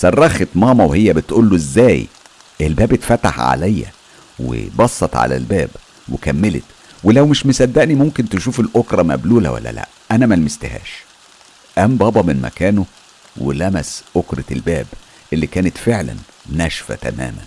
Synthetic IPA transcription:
sɑrˤːɑxet̪mɑːmɑwehejːæbet̪ʔuːlːoʔezːæːj | ʔelbæːbet̪fæt̪a̰ħʕa̰læjːæ̰ | wḛbɑsˤːɑt̪ʕa̰læ̰lbæːb | wekæmːelḛt̪ | welæwmeʃmesæd̪ːæʔnimomkent̪eʃuːfelʔokɾˤɑmæ̰bluːlæ̰wæ̰lːæ̰læ̰ʔʔænæmælemest̪ehæ̰ːʃ | ʔæmbɑːbɑmenmæ̰kæːno | wḛlæmæsʔokɾet̪elbæːb | ʔelːikæːnet̪feʕlæ̰n | næʃfæ̰t̪æ̰mæ̰ːmæn

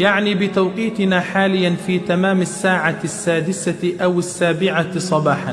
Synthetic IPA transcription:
jaʕniːbɪt̪awqiːt̪ɪnaːħaːlɪjːanfiːt̪amaːmasːaːʕasːaːd̪ɪsaʔawasːaːbɪʕasˤɑbɑːħan

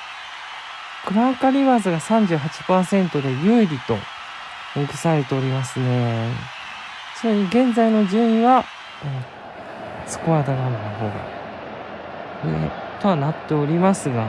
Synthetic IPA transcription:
kɯ̟ɾakaɾʲiβaːzɨɡasãɲ̟d͡ʑɨːɦat͡ɕi̥paːsẽ̞nt̪o̞d̪e̞jɯ̟iɾʲit̪o̞ | mɯkɯ̟̥saɾet̪e̞oɾʲimasɨne̞ | soɾeɲiɡẽ̞nzaino̞ʑɨ̃ːĩβa | o | t͡sɨ̥koβad̪aɡannaɦo̞ːɡa̰ | ḛt̪o̞βanat̪ːe̞oɾʲimasɨɡa

